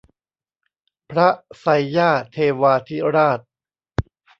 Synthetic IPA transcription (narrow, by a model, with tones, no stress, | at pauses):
pʰɾa˦˥sa˧jːaː˥˩t̪ʰeː˧waː˧t̪ʰi˦˥ɾaː˥˩t̪̚